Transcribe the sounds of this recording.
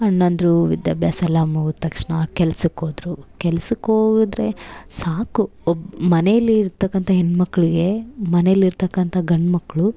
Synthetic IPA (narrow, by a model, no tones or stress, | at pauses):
ɐnːɐnd̪ɾuʋid̪ja̰ːbʱjaːsɐlːaːmuɡut̪ːɐkʂɳɐkɛlɐsukoːd̪ɾukɛlɐsukoːɡud̪ɾe̞saːkuobmɐnejɐlːiːɾt̪ɐkːɐnt̪ʰɐɦenːmɐkːɐɭiɡe̞mɐnejɐlːiɾt̪ɐkːɐnt̪ʰɐɡɐɳmɐkːɐɭu